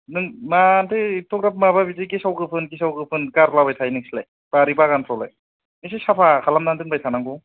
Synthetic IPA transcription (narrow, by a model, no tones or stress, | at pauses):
nɯŋmantʰetʰɔk̚ɾap̚mababizikesawɡɯpʰɯnkisawɡɯpʰɯnkaɾlabajtʰajnɯŋslaj | paɾibaɡanpʰawlaj | esesapʰakʰalamnandɯŋbajtʰanaŋɡu